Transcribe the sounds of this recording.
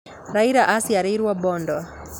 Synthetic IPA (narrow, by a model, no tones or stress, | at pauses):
ɾaiɾaʔasiaɾeɾwabɔndɔ